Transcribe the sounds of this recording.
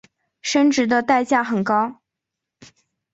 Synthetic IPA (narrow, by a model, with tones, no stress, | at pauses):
ʂə˥nʈ͡ʂɻ̩˧˥d̪ə˧t̪a˥˧ɪt͡ɕja˥˩xə˨˩nkɑ˥ʊ